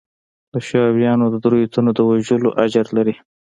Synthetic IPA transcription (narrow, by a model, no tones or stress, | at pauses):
d̪əʃɑwjɑnod̪əd̪ɾojot̪unod̪əwaʒəloʔad͡ʒaɾlaɾi